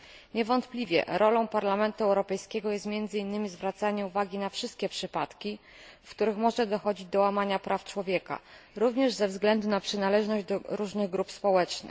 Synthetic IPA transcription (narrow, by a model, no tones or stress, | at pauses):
ɲɛvɔnt̪plʲivʲjɛ̰ɾɔlɔ̃w̃paɾlamɛnt̪uɛwɾɔpɛjskʲɛɡɔjɛst̪mʲjɛnd̪zɘinːɘmʲizvɾat̪saɲɛuvaɡʲinafʂɘst̪̚kʲɛpʂɘpat̪kʲi | fkt̪uɾɘxmɔʐɛd̪ɔxɔd͡ʑid͡ʑd̪ɔwamaɲapɾʔaft͡ʂwɔvʲjɛka̰ɾuvɲɛʐzɛvzɡlɛnd̪unapʂɘnalɛʐnɔʑd͡ʑd̪ɔɾuʐnɘɣɡɾupspɔwɛt͡ʂnɘ̰